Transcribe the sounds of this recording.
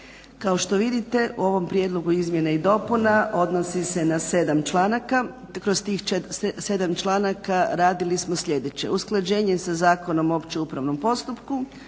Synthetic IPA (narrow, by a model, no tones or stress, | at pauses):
kao̞ʃt̪o̞ʋid̪it̪e̞ṵo̞ʋo̞mpɾje̞d̪lo̞ɡuizmje̞naid̪o̞punaʔo̞d̪nosise̞nase̞d̪amt͡ʃlˠaːnaka | kɾost̪iːxse̞d̪amt͡ʃlˠaːnakaɾaːd̪ilismo̞sʎed̪e̞t͡ɕe̞̰usklˠad͡ʑe̞ːɲe̞sazaːko̞no̞mo̞ːpt͡ɕeupɾaʋno̞mpo̞st̪upku